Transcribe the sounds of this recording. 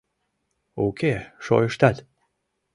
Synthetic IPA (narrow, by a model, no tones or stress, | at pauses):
okʰʲeʃo̰jəʃt̪at̪